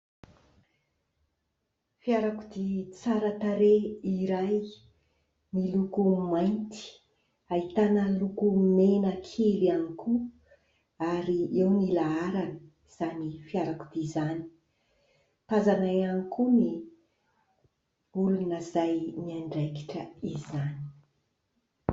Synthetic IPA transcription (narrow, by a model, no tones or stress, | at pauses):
fiaɾakud̪it͡saɾət̪aɾeiɾaj | nilukumajnt̪i̥ | ait̪anəlukumenəkʰelianiku | aɾiewnilaaɾanə | z̥anifiaɾaku̥d̪̥izani̥ | t̪azanajanikuni | ulunəzajniaɳɖ͡ʐajki̥ʈ͡ʂə̰izani̥